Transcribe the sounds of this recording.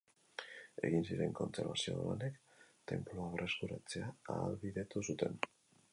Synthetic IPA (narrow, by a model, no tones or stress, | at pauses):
e̞̰ɣinsiɾe̞̰ŋko̞nt͡se̞ɾβasio̞̰la̰ne̞kt̪e̞̰mploaβrest̪uɾat͡se̞aaːlβiðe̞t̪usut̪e̞n